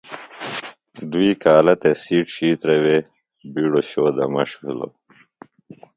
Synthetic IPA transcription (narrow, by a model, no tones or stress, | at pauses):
d̪uiːkaːlɐt̪esiːʈɕiːt̪ɾewe | biːɽoɕoːd̪ɐmɐʂkilo̰